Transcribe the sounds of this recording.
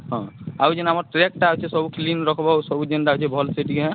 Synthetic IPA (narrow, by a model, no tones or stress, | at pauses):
ɦɔ̃awd͡ʒɛnamɔɾʈɾek̚ʈaɦot͡ʃʰɛsɔbuklinɾɔkʰɔbaosɔbud͡ʒɛnʈaɦot͡ʃʰɛbʱɔlseʈiɡɦɛ̃